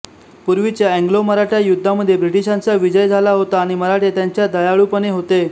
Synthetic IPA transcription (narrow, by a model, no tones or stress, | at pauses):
puɾʋit͡ɕjaɛŋɡloməɾaʈjajud̪ʱːaməd̪ʱːjebɾiʈiɕant͡saʋid͡ʑəjd͡zʱalaɦot̪aːɽ̃iməɾaʈet̪jaɲt͡ɕjad̪əjaɭuːpəɽeɦot̪e